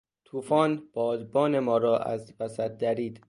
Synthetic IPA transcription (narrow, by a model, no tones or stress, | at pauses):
t̪ʰuːfɒːnb̥ɒːd̪bɒːne̞mɒːɾɒːʔæ̰zvæsæt̪̚d̪æɾiːd̪̥